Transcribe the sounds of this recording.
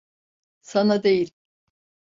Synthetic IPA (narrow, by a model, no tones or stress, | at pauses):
sanad̪ejil